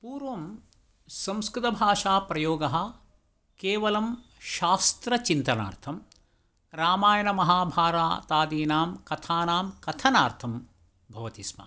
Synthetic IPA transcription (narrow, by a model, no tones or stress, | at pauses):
puːɾʋɐm | sɐ̃mskɾɪt̪ɐbʱaːʂaːpɾɐjoːɡɐɦɐ̆ | keːʋɐlɐmʃaːst̪ɾɐt͡ʃint̪ɐna̰ːɾt̪ʰɐm | ɾaːmaːjɐnɐmɐɦaːbʱaːɾa̰ːt̪aːd̪iːnaːmkɐt̪ʰaːnaːmkɐt̪ʰɐnaːɾt̪ʰɐm | bʱɐʋɐt̪ismɐ̰